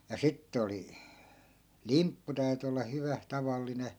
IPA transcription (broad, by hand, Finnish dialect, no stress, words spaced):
jɑ sitːĕ oli limpːu tæyty olːɑ hyʋæ tɑʋɑlːine